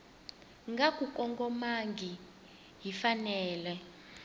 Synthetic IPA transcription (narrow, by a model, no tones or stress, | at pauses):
ŋɡakʼukʼɔŋɡɔmaŋɡʱi | ɦifanɛːlɛ